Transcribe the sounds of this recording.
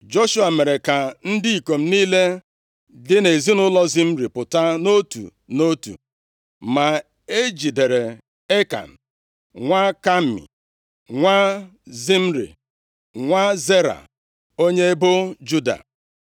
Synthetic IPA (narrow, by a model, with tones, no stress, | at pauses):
d͡ʒo˦ʃu˦a˨me˨ɾe˨ka˨n̩˦dɪ˦i˨ko˨m̩˦niː˦le˦ | dɪ˦ne˨zi˦nʊ˦lɔ˦zi˦m̩˦ɾi˨pʊ˨ta˦no˦tṵ˨ | no˦tṵ˨ | ma˨ | e˦d͡ʒi˨de˨ɾe˨ | e˦ka̰˨n̩˨ | ŋʷa˦ka˦m˦˨mḭ˨ | ŋʷa˦zi˦m̩˦ɾḭ˨ | ŋʷa˦ze˦ɾa̰˨ | o˦ɲe˦bo˦d͡ʒu˦da̰˨